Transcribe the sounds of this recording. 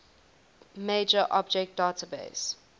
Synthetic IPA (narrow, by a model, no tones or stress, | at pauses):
meːd͡ʒəʔɔ̰b̚d͡ʒɛk̚t̚d̥aːtʰəbḛɪs